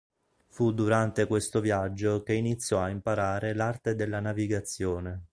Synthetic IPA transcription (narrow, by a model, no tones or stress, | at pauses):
fud̪uɾant̪ekwest̪ovjad͡ʒːokeinit̪sːjɔaimpaɾaːɾelart̪ed̪elːanaviɡat̪sːjoːne